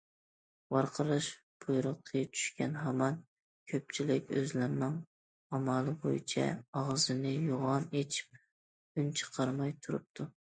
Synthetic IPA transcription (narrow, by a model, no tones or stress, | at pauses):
wɑɾqʰəɾɨʃ | bʰojɾɨqʰːət͡ʃʰy̥ʃkʲɛnɦɑmɑn | kʲʰøp̚t͡ʃʰilɪkʲøzlɪɾnɪŋ | ɑmɑlˠɨbo̰jḭt͡ʃʰɛ̰ɑʁzɨnɨjoʁɑnet͡ʃʰi̥p̚ | ynt͡ʃʰə̥qʰɑɾmɑjt̪ʰuɾṵp̚t̪ʰu